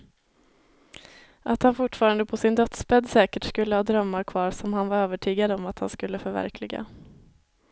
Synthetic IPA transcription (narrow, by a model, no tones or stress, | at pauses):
ʔat̪hanfʊʈːfɑːɾand̪əpʰɔsɪnd̪œt̪spɛd̪sɛːkəʈskɵlːəhɑːd̪ɾœmːaɾkʰvɑːɾsɔmhanvaɾøːvəʈʰyːɡad̪ɔmat̪ha̰nskɵlːəfœɾvæ̰ɾkʰlɪɡa̰